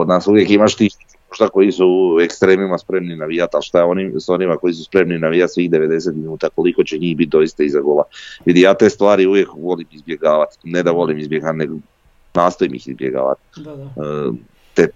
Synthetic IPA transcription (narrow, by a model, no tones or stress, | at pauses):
o̞d̪naːsuʋjekimaʃt̪isik̪imo̞ʒd̪ako̞jisuekst̪ɾe̞ːmimaspɾe̞mninaʋijat̪alʃt̪ajeo̞nimso̞nimako̞jis̬uspɾe̞mninaʋijat̪sʋiːxd̪eʋe̞d̪e̞s̬e̞t̪minuːt̪ako̞liko̞t͡ɕeɲiːxbit̪̚d̪o̞ist̪aizaɡolˠaʋid̪ijaːt̪e̞st̪ʋaːɾiuʋje̞kʋo̞limizbje̞ɡaːʋat̪ned̪aʋo̞limizbjeɡat̪neɡ | naːst̪o̞imḭxḭzbjḛɡa̰ːʋa̰t̪ː | t̪e